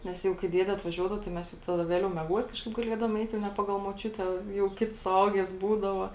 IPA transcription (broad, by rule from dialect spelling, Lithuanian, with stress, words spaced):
ˈnʲɛs jɛʊ kɐɪ ˈdʲiɛdʲɛ ɐtʋɐˈʒʲuɔdɐʋoː tɐɪ ˈmʲɛs jɛʊ ˈtɑːdɐ ˈʋʲeːlʲɛʊ mʲiɛˈɡuɔt ˈkɑːʃkɐɪp ɡɐˈlʲiɛdɐʋoːm ˈɛɪt nʲɛ ˈpɑːɡɐlˠ moːˈt͡ʃʲʊtʲɛ jɛʊ ˈkʲɪts sʊˈɐʊɡʲɛs ˈbuːdɐʋɐ